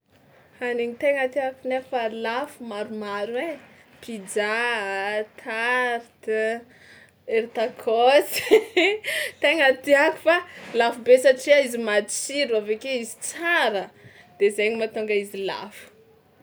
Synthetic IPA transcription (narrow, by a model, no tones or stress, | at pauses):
haneɲit̪eŋat̪iakunefalafumaɾumaɾwe | pʰid͡ʒa | t̪ʰaɾt̪ | eɾit̪akʰosi̥ | t̪eŋat̪iaku̥falafubesaʈ͡ʂiaizimad̪isiɾuavekeizit͡saɾə | d̪̥ezajɲimat̪uŋɡaizila̰fu̥